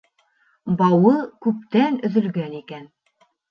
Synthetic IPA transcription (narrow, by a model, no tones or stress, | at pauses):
bɑwɤkʉp̚t̪ænɵ̆ðɵ̆lɡænikæn